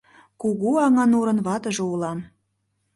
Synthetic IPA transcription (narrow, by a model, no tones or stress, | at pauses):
kuɣuɑŋɑnuɾə̆nβɑt̪ə̆ʒoulɑm